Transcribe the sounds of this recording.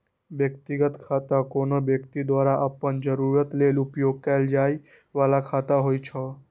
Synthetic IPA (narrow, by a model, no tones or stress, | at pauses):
bjəkt̪iɡət̪kʰaːt̪akoːnobjəkt̪id̪waːɾaʔəpənd͡ʒəɾuːɾət̪leːlʊpjoːɡ̚kald͡ʒaːi | ʋaːlakʰaːt̪aɦoit͡ʃʰɔ